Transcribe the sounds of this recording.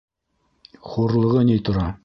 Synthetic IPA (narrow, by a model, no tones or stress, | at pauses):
χuɾlˠɤ̆ʁɤnit̪ŏɾɑ